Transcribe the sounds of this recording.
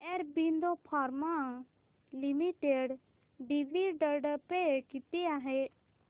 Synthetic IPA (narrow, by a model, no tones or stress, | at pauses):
ɛɾbind̪opʰaːɾma | limiʈeɖ | ɖiʋiɖəɾɖpekit̪iaɦe